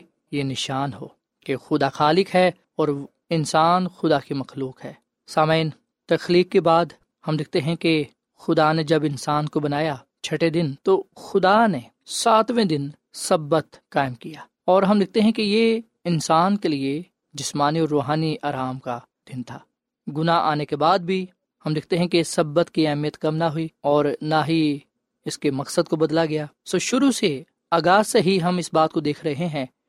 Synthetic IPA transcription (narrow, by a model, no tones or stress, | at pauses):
jenɪʃaːnɦo̰ː | kexʊd̪axaːlɪkɦɛ | ɔːɾ | ɪnsaːnxʊd̪akimɐxluːkɦɛː | saːmeɪn | t̪ɐxliːkːebaːd̪ | hɐmd̪ɪk̚ʰt̪eɦɛ̃ke | xʊd̪aned͡ʒɐbɪnsaːnkobɐnaːja | t͡ʃʰɐʈed̪ɪnt̪oxʊd̪ane | saːt̪wẽd̪ɪn | sɐbːət̪kaːɪmkijaː | ɔːɾɦɐmlɪk̚ʰt̪eɦɛ̃kije | ɪnsaːnkelie | d͡ʒɪsmaːniɔːɾːoːɦaːniʔaːɾaːmka | d̪̥ɪnt̪ʰaː | ɡʊnaʔa̰ːnekebaːd̪̚bʱi | hɐmd̪ɪkʰt̪eɦɛ̃kesɐbət̪kiɛɦmijət̪kɐmnaɦʊiɔːɾnaɦi | ɪskemɐqsəd̪̚kobɐd̪laɡɐjaːsoːʃʊɾuse | ɐːɡaːseɦiɦɐmɪsbaːt̪̚kod̪eːkʰɾɐɦeɦɛ̃ː